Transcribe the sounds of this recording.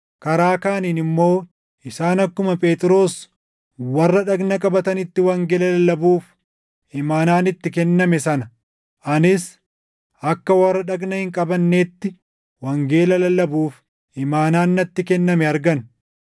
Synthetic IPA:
kɐɾaːkaːniːnɪmːo̞ː | ɪsaːnɐkːʊmɐpʼe̞ːt̪ʼɪɾo̞ːs | wɐrːɐᶑɐɡnɐkʼɐbɐt̪ɐnɪt̪ːɪwɐŋɡeːlɐlɐlɐbuːf | ɪmaːnaːnɪt̪ːɪkɛnːɐmɛsɐnɐ | ʔɐnɪs | ɐkːɐwɐrːɐᶑɐɡnɐhɪŋkʼɐbɐnːe̞ːt̪ːɪ | wɐŋɡe̞ːlɐlɐlɐbuːf | ɪmaːnaːnːɐt̪ːɪkɛnːɐmɛɐɾɡɐn

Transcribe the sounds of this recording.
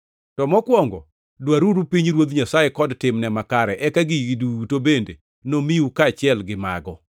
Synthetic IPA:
tɔmɔkwɔŋɡɔ | dwaɾuɾupiɲɾwod̪ɲasajekɔdtɪmnɛmakaɾɛʔɛkaɡiɡidutobende | nomiukaːt͡ʃɪɛlɡɪma̰ɡɔ

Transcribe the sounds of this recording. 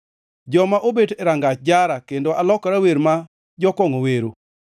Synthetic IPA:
d͡ʒɔmaʔobedɛɾaŋɡat͡ʃd͡ʒaɾakendoʔalɔkɾaweɾma | d͡ʒɔkɔŋoweɾo

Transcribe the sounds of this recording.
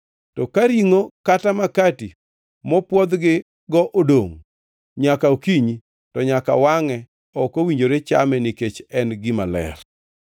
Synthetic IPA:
tɔkaɾiŋokatamakati | mɔpwɔd̪ɡɪ | ɡɔʔodoŋ | ɲakaokiɲi | tɔɲaka̰waŋɛ | ɔkowiɲd͡ʒoɾet͡ʃa̰mɛniket͡ʃɛnɡɪmalɛ̰r

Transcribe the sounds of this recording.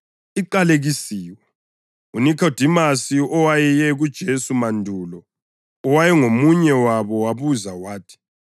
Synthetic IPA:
iǃaleɣisiːwɛ | unikʰod̥ʱimasiɔwajɛjɛɣud̥ʒ̥ʱesumandʱulɔː | wajɛŋomuɲɛwaβɔwaβuzawaːtʰi̥

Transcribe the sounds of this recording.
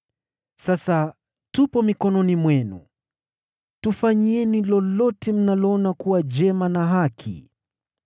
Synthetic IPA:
sasa | tupɔmikɔnɔnimwɛnṵ | tufaɲiɛnilɔlɔtɛm̩nalɔɔnakuwad͡ʒɛmanaɦakʰḭ

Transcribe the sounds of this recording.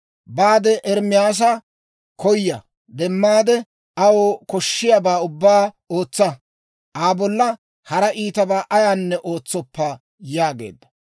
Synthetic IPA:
baːd̪ɛʔɛɾmɪjaːs̬ɐ | kɔjːɐ | d̪ɛmːaːd̪ɛ | ɐwɔkɔʃːɪjabaːʊbːaː | o̞ːt͡sːɐ | ʔaːbɔlːɐ | hɐɾɐʔiːt̪ɐbaːʔɐjaːnːɛʔo̞ːt͡sːɔpːɐ | jaːɡe̞̰ːd̪ːɐ̥

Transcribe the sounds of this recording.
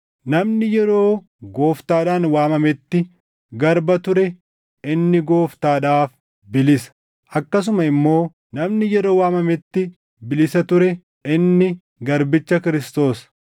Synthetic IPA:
nɐmnɪjɛɾo̞ː | ɡo̞ːft̪aːᶑaːnwaːmɐmɛt̪ːɪ | ɡɐɾbɐt̪ʊɾɛ | ɪnːɪɡo̞ːft̪aːᶑaːf | bɪlɪsɐ̥ | ʔɐkːɐs̬ʊmɐɪmːo̞ː | nɐmnɪjɛɾo̞ːwaːmɐmɛt̪ːɪ | bɪlɪsɐt̪ʊɾɛ | ɪnːɪ | ɡɐɾbɪt͡ʃːɐkɪɾɪst̪o̞ːsɐ̥

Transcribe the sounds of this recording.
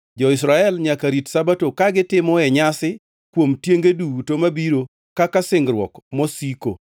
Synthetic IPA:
d͡ʒɔɪsɾaɛlɲakaɾitsabatokaɡɪtɪmɔɛɲasɪ | kwomtjeŋɡeduutomabiɾo | kakasɪŋɡɾwɔ̰kmɔsiko̰

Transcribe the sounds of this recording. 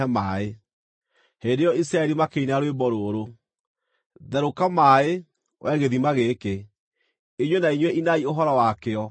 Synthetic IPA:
ɛmae | heːndejɔisɾaɛɾimakeinaɾwebɔɾoɾo | ðɛɾokamaːe | wʔɛɣeðimaɣeke | iɲwenaiɲwɛʔinaioɦɔɾɔwakeɔ

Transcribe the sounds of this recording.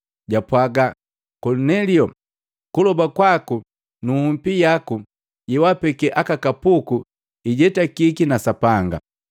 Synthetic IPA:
ɟapwaɡa | kɔlunɛliɔ | kulɔbakwaku | nuhum̩pijaku | jɛwapɛkɛʔakakapuku | iɟɛtakikinasapaŋɡa̰

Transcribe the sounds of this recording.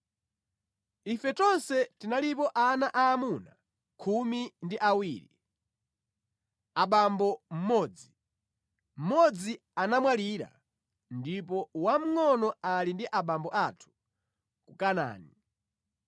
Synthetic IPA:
ifɛt͡ʃɔnsɛtinalipɔʔanaʔaːmuna | kʰumindiʔawiːɾḭ | aɓambɔm̩mɔd͡zi | m̩mɔd͡zi | anamwaliːɾa̰ | ndipɔwam̩ŋɔnɔalindiʔaɓambɔʔatʰu̥ | kukana̰ːni

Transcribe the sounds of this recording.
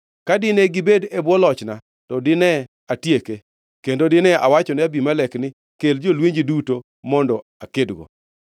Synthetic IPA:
kadɪneɡɪbedebwɔlɔt͡ʃna | tɔdɪnɛ | atjeke | kendodɪnɛʔawat͡ʃɔnɪabimalɛknɪ | keld͡ʒolweɲd͡ʒiduto | mɔndɔakedɡo̰

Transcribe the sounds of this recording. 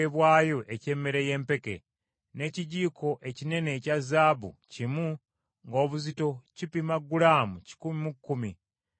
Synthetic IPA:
eβwaːjo̞ʔece̞ːmːeɾeje̞ːmpe̞ke̞̰ | ne̞ːciɟiːkʰo̞ʔe̞cine̞ne̞cazaːβṵcimu | ŋɡo̞ːβuzito̞cipimaɡːulaːmuci̥kumimukːumi

